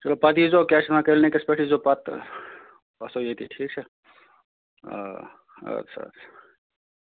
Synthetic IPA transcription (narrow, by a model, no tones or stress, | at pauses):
t͡ʃɐloːpɐd̪izokjaːt͡ʃʰet̪mãkelnekespeʈʰizopɐt̪ | ɐsojet̪ʰiʈʰiːkt͡ʃʰe | sʰɐ̰